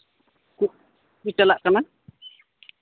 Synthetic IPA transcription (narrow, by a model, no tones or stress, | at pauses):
ku | ut͡ʃalaʔkana